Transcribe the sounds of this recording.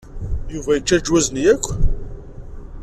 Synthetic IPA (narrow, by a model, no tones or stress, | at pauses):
juvæjət͡ʃːæd͡ʒwæzənjækʷː